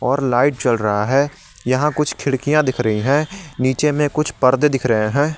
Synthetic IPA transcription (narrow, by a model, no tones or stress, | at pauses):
ɔːɾlaːɪʈ̚t͡ʃɐlɾɐɦaɦɛː | jɐɦãkʊt͡ʃʰkʰɪɽkijãd̪ɪkʰɾɐɦiɦɛ̃ːniːt͡ʃemẽkʊt͡ʃʰpəɾd̪d̪ɪkʰɾɐɦẽɦɛ̃ː